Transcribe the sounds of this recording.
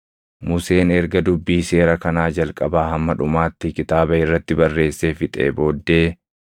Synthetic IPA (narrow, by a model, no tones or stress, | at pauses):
mʊse̞ːnɛɾɡɐd̪ʊbːiːse̞ːɾɐkɐnaːd͡ʒɐlkʼɐbaːhɐmːɐᶑʊmaːt̪ːɪkɪt̪aːbɐɪrːɐt̪ːɪbɐrːe̞ːsːeːfɪt̪ʼḛːbo̞ːd̪ːeː